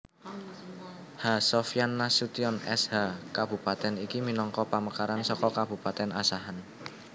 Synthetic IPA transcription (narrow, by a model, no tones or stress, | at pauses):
hasɔfjanːasut̪iɔnɛ̰shakab̥ṳpat̪ɛnikiminɔŋkɔpaməkaɾansɔkɔkab̥ṳpat̪ɛnasaɦan